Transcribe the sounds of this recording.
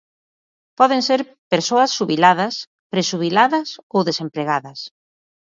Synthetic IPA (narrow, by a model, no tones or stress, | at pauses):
pɔðeŋseɾ | peɾsoɐsːuβilaðɐs | pɾeʃuβilaðɐsowðesempɾeɣaðɐs